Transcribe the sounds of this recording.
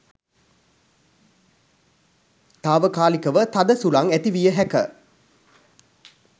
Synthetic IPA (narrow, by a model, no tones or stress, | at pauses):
t̪aːʋəkaːlikɐʋət̪ɐd̪əsulaŋæt̪iʋijəɦɛkə̰